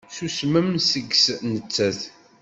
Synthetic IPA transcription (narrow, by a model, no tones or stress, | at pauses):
susmæmsəɡsnət͡sːæθ